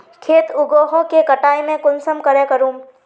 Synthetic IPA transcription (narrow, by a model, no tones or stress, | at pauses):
kʰeːt̪ʊɡoːɦõkekɐʈaːimẽkʊnsəmkəɾekəɾũːm